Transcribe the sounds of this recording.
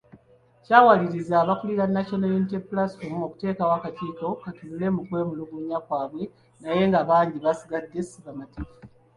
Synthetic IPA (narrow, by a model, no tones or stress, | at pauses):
caːwaliɾizaβakuliɾanːaʃonalunit̬epulasfomo̞ku̥te̞ːkawakatiːko̞katulule̞mukwe̞ːmuluɡuɲakwaːβwe̞ | naje̞ŋɡaβaːɲɟiβasiɡadːesiβamatiːfa